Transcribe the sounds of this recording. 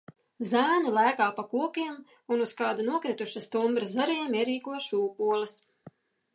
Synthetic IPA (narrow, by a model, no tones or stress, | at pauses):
zæːnilˠæːkaːpakuɔkʲiɛm | unuskɑːd̪anuɔkɾɪt̪uʃast̪umbɾazaɾiɛmiɛɾiːkuɔʃuːkuɔlˠɨs